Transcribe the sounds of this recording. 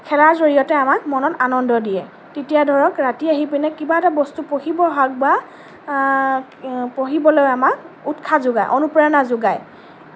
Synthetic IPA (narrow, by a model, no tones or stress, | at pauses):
kʰɛlazoɹijɔtɛamak̚mɔnɔtanɔndɔdijɛ | tetijadʱɔɹɔkɹatiaɦipinɛkibaɛtabɔstupohibɔɦak̚ba | poɦibɔlojamak̚utkʰazʊɡajʔɔnupɹɔjɔnazʊɡaj